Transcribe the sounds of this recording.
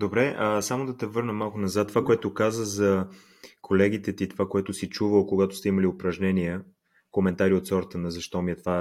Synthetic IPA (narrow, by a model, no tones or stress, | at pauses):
d̪obɾɛʔəsamod̪ɐt̪ɛvɤɾnəmːalˠkʊnɐzat̪ːovakoɛt̪ʊkazəxzɐ | kʰolɛɡ̟it̪ɛt̪it̪ovakoɛt̪ʊsit͡ʃuvəlˠkoɡat̪ʊ̥st̪ɛiməliopɾɐʒnɛniɛ | komɛnt̪aɾiot̪sɔɾt̪ənəzɐʃt̪ɔmiɛt̪ova